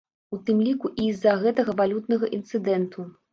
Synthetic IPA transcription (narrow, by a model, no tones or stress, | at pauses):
ut̪ɨmlʲikuʔizːɐɣɛt̪ɐɣɐvalʲut̪nɐɣɐʔint̪sɨd̪ɛnt̪u